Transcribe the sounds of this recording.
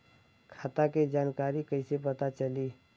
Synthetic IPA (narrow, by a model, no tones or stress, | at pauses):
kʰaːt̪aked͡ʒaːnkaːɾikəɪsepət̪at͡ʃəli